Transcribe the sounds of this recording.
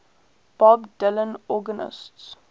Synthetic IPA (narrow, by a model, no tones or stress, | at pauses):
b̥ɔbdɪlə̃nɔɡənɪ̰sts